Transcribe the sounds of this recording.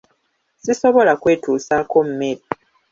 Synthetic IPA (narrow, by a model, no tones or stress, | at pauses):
siso̞βo̞lakwe̞ːtuːsaːko̞mume̞ɾi